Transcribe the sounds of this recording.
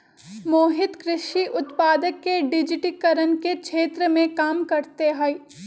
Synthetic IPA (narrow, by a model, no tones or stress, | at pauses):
moːɦɪt̪kɾɪʃiʔʊt̪paːd̪əkːeɖɪd͡ʒɪʈikɐɾənkekʃʰeːt̪ɾəmẽkaːmkɐɾt̪eɦɛi